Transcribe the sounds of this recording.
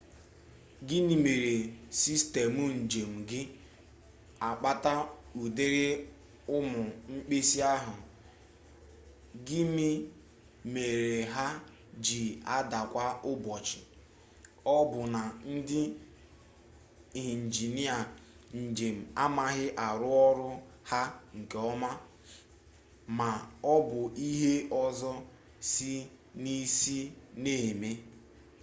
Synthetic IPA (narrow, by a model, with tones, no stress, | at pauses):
ɡɪ˦mi˨me˨ɾe˨si˦ste˨mu˦n̩˨d͡ʒe˨m̩˨ɡɪ˦ | a˨k͡pa˦ta˦u˨de˦ɾe˦ | ʊ˦mʊ˨ŋ͡m̩˦k͡pe˦si˦a˦ɦʊ˨ | ɡɪ˦mi˦ | me˨ɾe˨ɦa˦ | d͡ʒi˨a˦da˨kʷa˦ʊ˦bɔ˨t͡ʃɪ˨ | ɔ˦bʊ˨na˨n̩˦dɪ˦ | i˨ɦi˨n̩˨d͡ʒi˨ni˦a˨ | n̩˨d͡ʒe˨m̩˨a˦ma˦ɦɪ˦ʔa˨ɾʊ˦ɔ˦ɾʊ˦ | ha˦ŋ̩˨ke˨ɔ˦ma˦ | ma˨ɔ˦bʊ˨i˦ɦe˦ɔ˦zɔ˦ | si˦ | ni˦si˦ne˦˨me˦